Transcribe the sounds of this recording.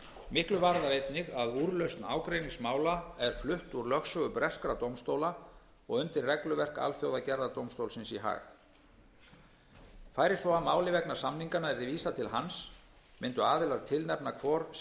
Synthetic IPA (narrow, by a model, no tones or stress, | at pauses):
mɪhklʏvaɾðaɾejt̪nɪɣaðuːɾlœɥst̪na̰ːwkɾejniŋsmaːwlaɛɾ̥flʏht̪uɾlœxsœɣʏpɾɛskɾat̪owmst̪owla | ɔɣʏnt̪ɪrrɛklʏvɛr̥ka̰lfjowðacɛɾðat̪owmst̪owlsɪnsiɦa̰ːx | faːjɾɪ̥sɔamaːwlɪvɛknḁsamniŋkanaɛɾðɪviːsat̪ʰɪlɦans | mɪnt̪ʏaːðɪlaɾt̪ʰɪlnɛpnakʰvɔɾ̥